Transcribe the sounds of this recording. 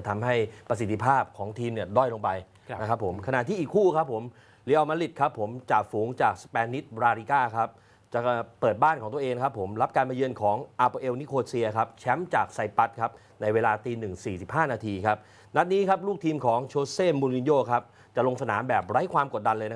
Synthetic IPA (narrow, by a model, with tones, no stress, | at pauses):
t̪ʰa˧mɦa˥˩jpɾa˧s̬i˨˩t̪ʰːi˧pʰaː˥˩p̚kʰɔː˩˦ŋt̪ʰiː˧mni˥˩ɐdɔ˥˩jlo˧ŋpa˧j | na˦kʰa˦˥pʰːo˩˦mkʰa˧na̰˨˩t̪ʰiː˥˩ʔiː˨˩kʰːuː˥˩kʰa˦˥pʰːo˩˦m | liː˩˦ʔa˧wmaː˧li˨˩t̪̚kʰa˦˥pʰːo˩˦mt͡ɕa˨˩fuː˩˦ŋt͡ɕaː˨˩k̚spɛː˧nːi˦˥t̪̚ɾaː˧ɾiː˧kaː˥˩kʰa˦˥p̚ | t͡ɕa˨˩pɤː˨˩t̪̚baː˥˩nkʰɔː˩˦ŋt̪u˧əʔeː˧ŋa˧kʰa˦˥pʰːo˩˦mɾa˦˥p̚kaː˧nma˧jɯː˧ənkʰɔː˩˦ŋʔaː˧poː˧ʔeː˧wni˦˥kʰoː˧siː˧ɐkʰa˦˥p̚t͡ɕʰɛ˦˥mt͡ɕaː˨˩k̚sa˧jpa˦˥t̪̚kʰa˦˥p̚ | na˧jweː˧laː˧t̪iː˧nɯ˨˩ŋsiː˨˩si˨˩p̚ɦaː˥˩naː˧t̪ʰiː˧kʰa˦˥p̚ | na˦˥t̪̚niː˦˥kʰa˦˥p̚luː˥˩k̚t̪ʰiː˧mkʰɔː˩˦ŋt͡ɕʰoː˧seː˥˩mːuː˧nli˧njoː˥˩kʰa˦˥p̚ | t͡ɕa˨˩lo˧ŋsa˧naː˩˦mbɛː˨˩p̚ɾa˦˥jkʰwaː˧mko˨˩t̪̚da˧nlɤː˧jna˦